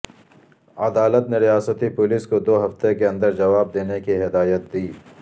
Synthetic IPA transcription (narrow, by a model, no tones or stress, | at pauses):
ɐd̪aːlət̪neɾijaːsət̪ipʊliskod̪oːɦɐft̪ekeɐ̃nd̪əɾd͡ʒɐʋaːb̚d̪eːnekiɦɪd̪aːjət̪̚d̪iː